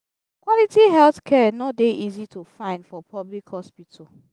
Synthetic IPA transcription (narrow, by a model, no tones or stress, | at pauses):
kwɔlitiɦɛlθkʰɛnɔt̚deʔizitʰufãɪ̃ndfɔpʰɔblikhɔspitʰəl